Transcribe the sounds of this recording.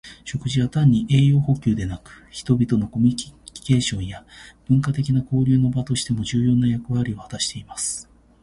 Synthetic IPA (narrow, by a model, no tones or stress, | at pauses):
ɕo̞kɯ̟ʑiβat̪ãɲ̟ːiʔe̞ːjo̞ːho̞kʲɨːd̪e̞nakɯ̟̥çi̥t̪o̞bʲit̪o̞no̞ko̞mʲike̞ːɕõ̞ɰ̃jab̥ɯ̟̃ŋkat̪e̞kʲinako̞ːɾʲɨːno̞bat̪o̞ɕi̥t̪e̞mo̞ʑɨːjo̞ːnajakɯ̟βaɾʲio̞hat̪aɕi̥t̪e̞imasɨ̥